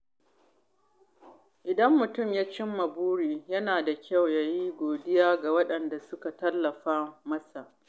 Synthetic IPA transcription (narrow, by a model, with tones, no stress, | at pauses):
ʔɪ˨dɐ˦mːʊ˨tʊ˦˨mjaː˦t͡ʃɪ˦mːɐ˨buː˦ɽiː˨jɐ˦naː˨da˨kʲa˦˨wjaː˦jiː˦ɡʷoː˨dɪ˦jaː˦ɡa˨wɐ˦ɗɐ˨nda˨sʊ˦ka˨tɐ˦lːɐ˨ɸaː˦mɐ˦sa˨ʔ